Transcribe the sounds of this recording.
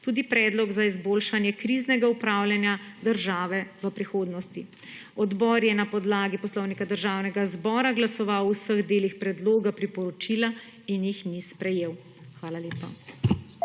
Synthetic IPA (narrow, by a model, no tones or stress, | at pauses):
t̪uːd̪ipɾɛd̪lɔɡzaizboːlʃanjɛkɾiːznɛɡaupɾaːwlʲjanjad̪əɾʒaːʋɛʋəpɾixoːd̪nɔst̪i | ɔd̪bɔːɾjɛnapɔd̪laːɡipɔslɔwnikad̪əɾʒaːwnɛɡazbɔːɾaɡlasɔʋawsəɣd̪eːlixpɾɛd̪loːɡapɾipɔɾɔt͡ʃila | injixnispɾɛjeːw | xʋaːlaleːpa